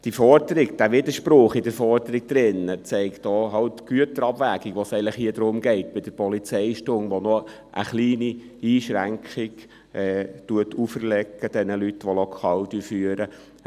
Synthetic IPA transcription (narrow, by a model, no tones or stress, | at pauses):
d̥ifɔɾdəɾɪɡd̥æʋɪd̪əʃpɾʊχɪdəɾfɔɾdəɾiɡ̥̚d̪̥ɾɪnət͡sɛɪktɔːɦɑltɡ̥yətəɾɑbvæːɡɪɡ̥ʋosɛɪənləχɦiːədɾʊmɡɛɪtb̥ɪd̥əɾpɔlit͡sɛɪʃtʊŋʋɔnɔ | ʔə̰χliːni | iːʃɾæŋkχɪɡ | ʔɛtuətʰufəɾlɛkːəd̥ɛnəlytʋolɔkʰɑːld̥yːfyəɾə